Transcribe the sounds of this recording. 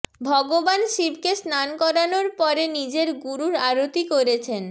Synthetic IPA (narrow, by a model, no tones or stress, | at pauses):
bʱɔɡobanʃibkesnankɔɾanoɾpɔɾenid͡ʑeɾɡuɾuɾaɾot̪ikoɾet͡ɕʰen